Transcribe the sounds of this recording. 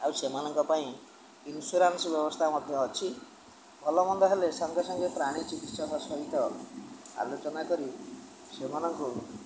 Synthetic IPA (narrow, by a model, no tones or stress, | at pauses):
awsemanɔŋkɔpaĩ | inusuɾansbjɔbɔst̪ʰamɔd̪ʱjɔːt͡ʃʰi | bʱɔlɔmɔnd̪ɔɦelesɔŋɡʱɔsɔŋɡepɾaɽ̃it͡ʃikit̪sɔkɔsɔɦit̪ɔ | a̰lot͡ʃɔnakɔɾi | semanɔŋku